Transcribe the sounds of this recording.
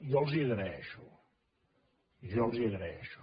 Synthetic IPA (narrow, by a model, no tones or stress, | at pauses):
ʒɔlˠziəɣɾaɛʃu | ʒɔlˠziəɣɾaɛʃu̥